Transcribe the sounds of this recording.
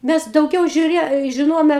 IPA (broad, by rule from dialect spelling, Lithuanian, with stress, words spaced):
ˈmʲɛs dɐʊˈɡʲɛʊ ʒʲʊˈrʲeː ʒʲɪˈnoːjoːmʲɛ